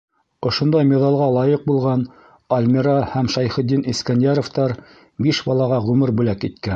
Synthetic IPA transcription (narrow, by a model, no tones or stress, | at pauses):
ŏʃŏnd̪ɑjmʲeðɑlˠʁɑlˠɑjɤq̚bulˠʁɑn | ɐlʲmʲiɾɑhæmʃɑjχɘ̆d̪ːinʔiskænjɑɾŏft̪ɑɾ | biʃbɑlˠɑʁɑʁʉmɘɾbʉlækit̪̚kæ